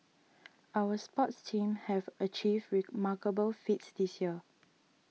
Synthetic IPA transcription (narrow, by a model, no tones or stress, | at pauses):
awəspɔtstʰĩmhɛvət͡ʃivdɹimakəbəlfitsdisjiə